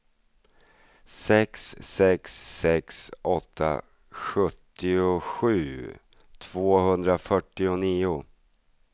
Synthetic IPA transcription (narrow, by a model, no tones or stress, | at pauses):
sɛksːɛksːɛksɔt̪ʰːa̰ | ɧɵt̪ːɪʊɧʉ̟ː | t̪ʰv̥oːɦɵnd̪ɾafœʈːɪʊniːʊ